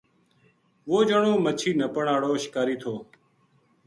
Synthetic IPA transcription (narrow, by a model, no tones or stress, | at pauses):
ʋoːd͡ʒəɳoːmət͡ʃʰiːnəpəɳaːɽoːʃɪ̥kaːɾiːt̪ʰoː